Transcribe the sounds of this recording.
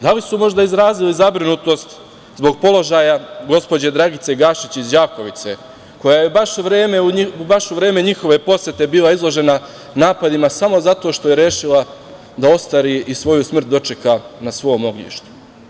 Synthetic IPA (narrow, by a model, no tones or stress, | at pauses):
d̪alisumo̞ʒd̪aizɾaːzilizabɾinut̪o̞st̪ | zbo̞ɡ̚po̞lo̞ʒajaɡo̞spo̞d͡ʑe̞d̪ɾaɡit̪se̞ɡaːʃit͡ɕizd͡ʑaːko̞ʋit̪se̞ | ko̞jajebaʃuʋɾeːmeuibaʃuʋɾe̞ːme̞ɲixo̞ʋe̞po̞sje̞t̪e̞biːlˠaizlˠo̞ʒe̞na | naːpad̪imasamo̞zat̪o̞ʃt̪o̞jeɾjeːʃila | d̪ao̞st̪aɾiʔisʋo̞jusmr̩t̪̚d̪o̞t͡ʃe̞kanasʋo̞mo̞ɡɲḭːʃt̪u̥